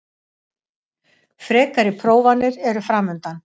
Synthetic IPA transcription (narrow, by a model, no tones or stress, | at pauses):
fɾɛːkaɾɪpʰɾoːwvanːɪɾɛɾʏfɾaːmʏnt̪an